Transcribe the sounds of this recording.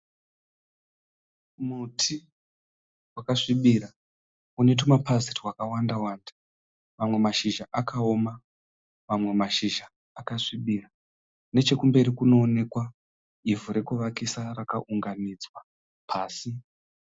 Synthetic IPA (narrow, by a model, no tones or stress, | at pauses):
mutʰi | wakaʂiɓiɾa | une̞t̬umapʰazitwakawandawaːndḁ | mamwe̞maʃiʒaʔakao̞ma | mamwe̞maʃiʒaː | kaʂiɓira | ne̞t͡ʃe̞kumbe̞ɾikuno̞ːne̞kwa | ivuɾe̞kuʋakisarakaʔuŋɡanid͡zwa | pʰaːsi